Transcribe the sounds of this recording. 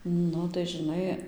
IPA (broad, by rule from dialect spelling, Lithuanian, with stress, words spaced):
ˈnʊ tɐɪ ʒʲɪˈnɐɪ